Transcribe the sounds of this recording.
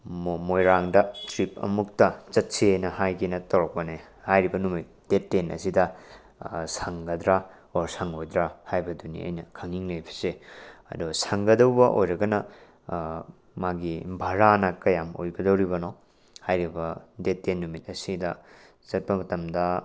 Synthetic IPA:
momojɾaŋdɐtɾip̚ɐ̰muk̚tɐt͡ʃɐt̚siejnɐhajkinɐtɐwɾɐk̚pɐne | hajɾibɐnumit̚d̥etːenɐ̰sidɐ | saŋɡɐd̪ɾa | oɾsaŋojdɾahajbɐdunḭɐ̰jnɐkʰɐŋiŋlejpʰi̥seɐ̰dusaŋɡɐdɐwbɐʔo̰jɾɐɡɐnɐ | maɡibʱɐɾanɐkɐjamo̰jbɐdɐwɾiβono | hajɾibɐdetːenːumit̚ɐsidɐ | t͡ʃɐt̚pɐmɐtɐmdɐ

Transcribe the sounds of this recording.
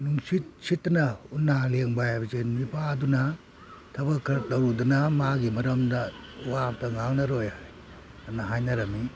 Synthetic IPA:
nuŋsit̚sitnɐunːaleŋbajajbɐzenmipʰaːdunɐ | tʰɐbɐkʰːɾ̚dɐwɾudunɐmaɡimɐɾɐmdɐ | wamtɐŋaŋnɐɾojhaj | anɐɦajnɐɾɐmi

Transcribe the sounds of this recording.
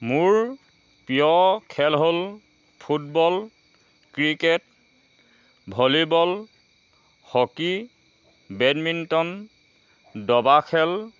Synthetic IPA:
muɹ | pijɔkʰɛlɦol | pʰut̚bɔl | kɹiket | bʱɔlibɔl | hɔki | bɛdmintɔn | dɔbakʰɛl

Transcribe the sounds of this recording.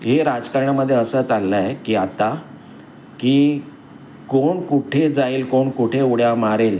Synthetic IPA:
ɦeɾad͡zkaɾɳjaməd̪ʱːjeəsət͡salːajekiːat̪a | kiː | koɳkuʈʰed͡zaiːlkoɳkuʈʰeuɽjamaɾel

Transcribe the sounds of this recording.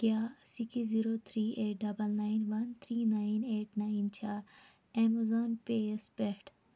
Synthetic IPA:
ɡjasikiziɾot̪ʰɾiːeʈ̚ɖɐbəlnainʋɐnt̪ʰɾiːnaineːʈnaint͡ʃʰa | ɛmɐzoːnpespɛʈ

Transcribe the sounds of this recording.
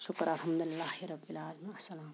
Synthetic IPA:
ʃʊkɾɐlɦɐmd̪ulɪlːaːhiɾɐbːilaːlmiɐsɐlaːm

